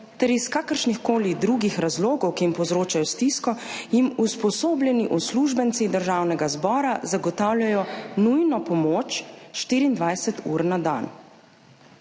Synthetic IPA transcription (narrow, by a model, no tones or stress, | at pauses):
t̪ɛɾiskaːkəɾʃnixkoːlid̪ɾuɡixɾazloːɡɔwkiimpɔwzɾoːt͡ʃajɔst̪iskɔjimuspɔsoːbljɛniʔɔsluʒbənt̪sid̪əɾʒaːwnɛɡazbɔːɾazaɡɔt̪aːwlʲjʲajɔnujnɔpɔmoːt͡ʃʃt̪iːɾiːnd̪ʋajsɛt̪ʰuːɾnad̪a̰n